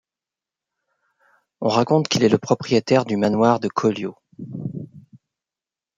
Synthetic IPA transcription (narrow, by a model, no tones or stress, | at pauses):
ɔ̃ʁakɔ̃t̪kilɛləpχɔpχijet̪ɛʁd̪ymanwaʁd̪əkʰɔljo